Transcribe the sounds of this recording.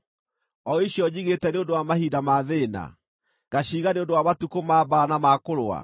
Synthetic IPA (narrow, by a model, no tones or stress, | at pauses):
ɔiɕjɔd͡ʑiɣetɛneondowamahidamaðeːna̰ | ɡaɕiːɣaneondowamatukomaːbaanamakoɾoa̰